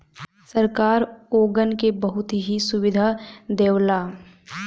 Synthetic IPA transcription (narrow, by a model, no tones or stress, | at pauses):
səɾkaːɾoːɡənkebɐɦʊt̪ɦisʊwɪd̪ʱad̪eːwlaː